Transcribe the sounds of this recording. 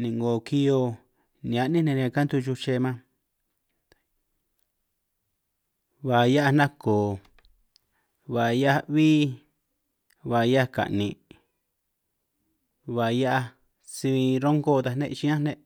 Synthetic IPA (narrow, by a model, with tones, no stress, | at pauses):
nĩ˨ŋɡo˨ki˧jo˧ | nĩ˨a˧ʔnĩ˦nẽ˧ɾĩ˧ã˧ka˦nt̪u˧t͡ʃu˧t͡ʃe˧mã˦ | βa˨ja˦ʔa˧nã˦koː˨ | βa˨ja˦βiː˦ | βa˨ja˦ka̰˨ʔnĩ˧˨ | βa˨ja˦ʔa˧ | si˧ĩ˧ɾo˦ŋɡo˦˨˧t̪a˧nḛ̃˦˧t͡ʃĩ˦ã˦nẽ˦ʔ